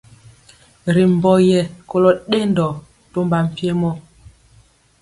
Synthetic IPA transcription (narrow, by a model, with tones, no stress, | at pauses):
ɾi˨m̩˨bɔ˦jɛ˨ko˦lɔ˦ɗe˦ndɔ˨ | to˦mba˨m̩˨pje˦mɔ˦